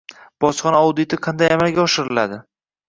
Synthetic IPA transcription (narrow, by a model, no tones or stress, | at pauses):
b̥ɒsχɒnaɒwd̪ɪt̪ʰɪqʰɑnd̪ajamalɡʲaɒʃɪɾɪlad̪ɪ